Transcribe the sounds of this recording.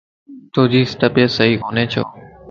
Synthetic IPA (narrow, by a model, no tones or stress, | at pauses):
t̪oːd͡ʒiːsʈəpeːsəɦiːɦoːneːt͡ʃʰo̰ː